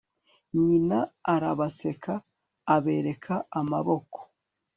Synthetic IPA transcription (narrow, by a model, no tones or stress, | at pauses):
ɲinaːɾaβase̞kʰaː | βe̞ɾe̞kʰaamaβo̞ko̥